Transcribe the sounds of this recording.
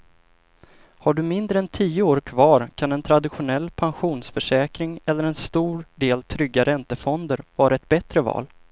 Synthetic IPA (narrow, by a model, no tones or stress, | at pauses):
haɖɵmɪnd̪ɾəɛnt̪ʰiːəoːɾkʰvɑːɾkʰanɛnt̪ʰɾad̪ɪɧʊnɛlːpʰanɧuːnsfœʂɛːkɾɪŋɛlːəɾɛnst̪uːɾɖeːlt̪ʰɾʏɡːaɾʔɛnt̪əfɔnd̪əɾvɑːɾaɛt̪̚bɛt̪ɾəvɑ̰ːl